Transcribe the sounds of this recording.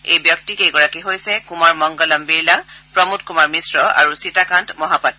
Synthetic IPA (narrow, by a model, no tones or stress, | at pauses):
ejbjɔk̚tikeɡɔɹakiɦojsɛkumaɹmɔŋɡɔlɔmbiɹlapɹɔmut̚kumaɹmisɹɔa̰ɹusitakantmɔɦapatː